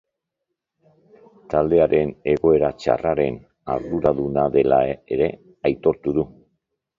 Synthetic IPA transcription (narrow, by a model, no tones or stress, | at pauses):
t̪ald̪e̞aɾe̞ne̞ɣo̞e̞ɾat͡ʃa̰raɾe̞n | aɾðuɾaðunaðe̞lae̞ɾe̞ | ajt̪o̞ɾt̪uðu